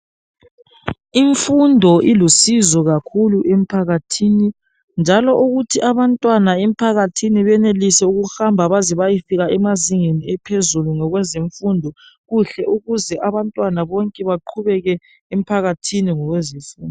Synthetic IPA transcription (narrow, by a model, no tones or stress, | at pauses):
iɱfundʱɔʔilusizɔɣakʰuluʔemipʰaɣatʰini | nd͡ʒʱalɔʔuɣutʰiʔaβantʼwanaem̩pʰaɣatʰiniβɛnelisɛuɣuxambʱaβaziβajifiɣaɛmaziŋeniɛpʰezuluŋɔɣwɛzeɱfundʱɔɣuɬɛuɣuzɛʔaβantʼwanaβɔŋkʼɛβaǃʰuβɛɣɛ | em̩pʰaɣatʰiniŋɔɣwezisin